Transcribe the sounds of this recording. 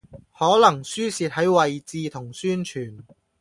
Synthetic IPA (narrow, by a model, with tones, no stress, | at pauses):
hɔː˨˥lɐ˨˩ŋsyː˥siː˧t̚hɐ˨˥jwɐ˨jt͡siː˧t̪ʰʊ˨˩ŋsyː˥nt͡ʃʰyː˨˩n